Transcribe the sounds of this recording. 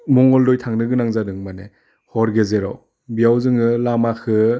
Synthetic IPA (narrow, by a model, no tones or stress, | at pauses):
mɔŋɔldɔjtʰaŋnɯɡɯnaŋzadɯŋmanḛ | hɔɾɡezeɾɔ | bijawzɯŋɯlamakʰɯ